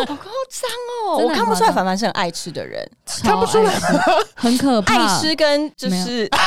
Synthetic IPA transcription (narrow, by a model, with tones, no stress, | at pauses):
o˨˩ko˥˩t͡sa˥ŋɔ˨wwɔ˨kʰa˥˩npu˧sa˥˩fa˨˩nfa˨nʂ̩˥˩ə˨˩ʔa̰˥˩ɪʈ͡ʂ̩ʰ˥d̪ə̰˨ɻə̰˧˦nʰa˥pu˧˩ʈ͡ʂʰu˥lə˨hə˨˦nkʰə˨˩pʰʈ͡ʂʰɻ̩˥kə˦nt͡ɕjo˥˧ʊʂɻ̩˥˩